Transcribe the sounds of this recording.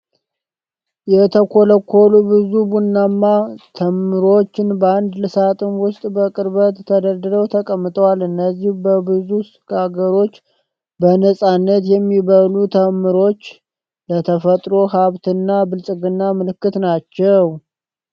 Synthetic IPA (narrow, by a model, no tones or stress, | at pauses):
jɛt̪ʰəkʰo̞ləkʰːo̞lubɨzubunːamːat̪ʰəmːɨɾo̞t͡ʃːɪnbəand̪lɨsat̪ʼɨnwʊst̪ʼbəkʼɨɾbət̪ːʰəd̪əɾd̪ɨd̪əwt̪ʰəkʼəmːɨt̪ʼəwalɨnːəzːihbəbɨzusɨɡaɡəɾo̞t͡ʃː | bənəsʼanːət̪jɛmːiβəlut̪ʰəmːɨɾo̞t͡ʃː | lət̪ʰəfət̪ʼɾo̞ɦaβt̪ʰɨnːabɨlsʼɨɡɨnːamɨlɨkːɨt̪nat͡ʃːɛw